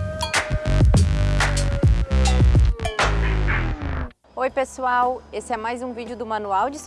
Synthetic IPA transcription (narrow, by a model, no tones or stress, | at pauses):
ojpesuawesɪɛmajzũvid͡ʒʊd̪ʊmɐ̃nuawd͡ʒɪs